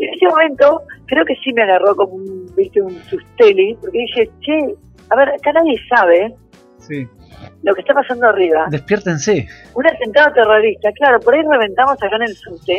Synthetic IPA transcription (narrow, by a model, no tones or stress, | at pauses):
enest̪emõ̞mẽ̞nt̪o̞kɾe̞o̞ke̞simeaɣaroko̞mounbist̪eunsust̪e̞lipoɾke̞ðixe̞t͡ʃe | aβe̞ɾakanað̞je̞saβ̞e̞ | si | lo̞ke̞st̪apasand̪oariβad̪ehpjeɾt̪ense | unat̪e̞nt̪aðot̪eroɾist̪aklaɾo̞poɾaire̞βe̞nt̪amo̞sakaene̞lsust̪e